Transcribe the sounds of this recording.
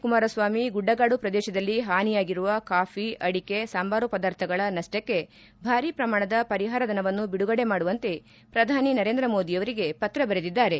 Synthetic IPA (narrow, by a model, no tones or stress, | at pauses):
kumaːɾɐsʋaːmiɡuɖːɐɡaːɽupɾɐd̪ɛːʃɐd̪ɐlːiɦaːnijaːɡiɾuʋɐkaːpʰiʔɐɽike̞sambaːɾupɐd̪aːɾt̪ʰɐɡɐɭɐnɐʂʈɐkːe̞ | bʱaːɾipɾɐmaːɳɐd̪ɐpɐɾiɦaːɾɐd̪ʱɐnɐʋɐnːubiɽuɡɐɽe̞maːɽuʋɐnt̪e̞ | pɾɐd̪ʱaːninɐɾend̪ɾɐmo̞ːd̪iɐʋɐɾiɡe̞pɐt̪ɾɐbɐɾed̪id̪ːaːɾe̞